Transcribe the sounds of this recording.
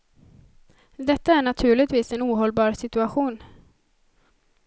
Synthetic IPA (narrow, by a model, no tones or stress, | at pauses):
d̪ɛt̪ːaæɳat̪ʰʉ̟ːɭɪɡt̪viːsɛnuːɦɔlbɑːɾsɪt̪ɵaɧuːn